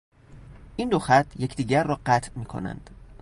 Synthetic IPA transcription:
ʔiːnd̪oxæt̪ʰjecʰd̪iːɟæɾːɒːɢæt̪ʰmiːkʰo̞̰næ̰nd̪̥

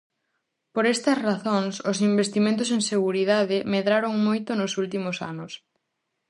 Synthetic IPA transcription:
poɾɛst̪ɐsraθoŋsʊsimbest̪imẽnt̪̬ʊseŋseɣuɾiðaðɪmeðɾaɾoŋmojt̪ʊnʊsult̪imʊsa̰nʊs

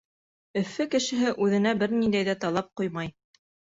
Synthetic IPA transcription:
ɵ̆fːɘkɘ̆ʃɘ̆ɦɘʔʉðɘ̆næbɘɾnind̪æjðæt̪ɑlˠɑp̚qujmɑj

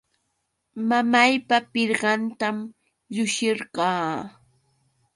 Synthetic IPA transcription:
mamajpapɪɾɢɑnt̪am | ʎʊʃɪɾɢɑː

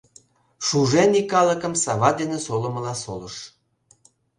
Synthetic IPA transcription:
ʃuʒenikːɑləkəmsɑβɑd̪enesolə̆məlɑsoləʃ

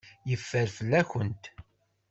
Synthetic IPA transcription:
jəfːəɾfəlːæçənt̪

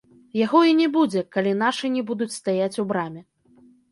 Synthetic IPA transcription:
jaɣɔinʲɛbud͡zʲɛkalʲinaʂɨnʲɛbud̪ut͡sʲst̪ajat͡sʲubɾamʲɛ

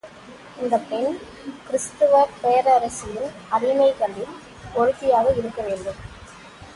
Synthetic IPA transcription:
ɪnd̪ɐpːɛn | kɪɾɪst̪ɯʋɐɾpeːɐɾɐɾɐsɪjɪl | ɐɾɪmɐɪkɐɳɖɪl | ɔɻɯt̪ːɪjaːɣɐɪɾɯkːɐʋeːnɖɯm

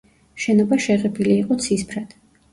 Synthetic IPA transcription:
ʃɛnɔbaʃɛʁɛbiliːqʼɔt̪sʰispʰɾad̪̥

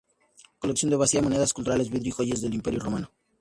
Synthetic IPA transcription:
ko̞leksjond̪eβasiamone̞ðaskult̪uɾalezβiðɾixoʝezðe̞limpe̞ɾjoro̞mano

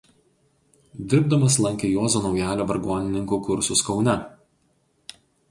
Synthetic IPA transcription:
d̪ʲɪɾb̚d̪ɐmɐslˠɐŋʲkʲejoːzoːnɒʊjæːlʲoːʋɐɾɡoɔnʲɪnʲɪŋkuːkʊɾsʊskɒʊnʲɛ

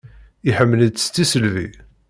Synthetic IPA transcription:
iħəmːələdst̪ːisəlvḭ

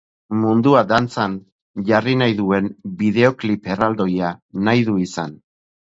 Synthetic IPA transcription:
mund̪uad̪ant͡san | ʝarinajðue̞nbiðe̞oklipe̞rald̪o̞janajðuisan

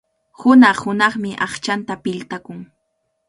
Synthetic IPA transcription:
hʊnɑχhʊnɑχmɪʔɑχt͡ʃant̪apɪʎt̪akʊŋ

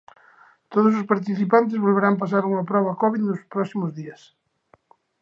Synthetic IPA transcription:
t̪oð̞os̬ospaɾt̪̬iθipant̪̬ezβolβeɾampasaɾuŋɐpɾɔβakɔβiðnospɾɔsimozðiɐs

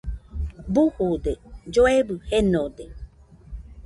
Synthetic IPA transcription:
buhud̪ed͡ʒoebɨhenod̪e

